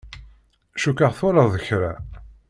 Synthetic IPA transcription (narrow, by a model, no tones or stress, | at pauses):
ʃukaʁθʊɾɑðəçɾa